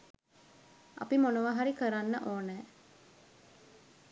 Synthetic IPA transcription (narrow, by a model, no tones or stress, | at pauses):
ʔɐ̰pimonoʋaɦaɾikəɾanːə̰ʔoːnɛː